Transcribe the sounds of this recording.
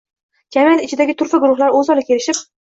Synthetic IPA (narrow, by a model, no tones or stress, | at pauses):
d͡ʒamijat̪ɪt͡ʃʰɪd̪aɡʲɪt̪ʰʊɾfaɡʊɾʊχlaɾɵzɒlˠɪkʲʰe̞ɾɪʃɪp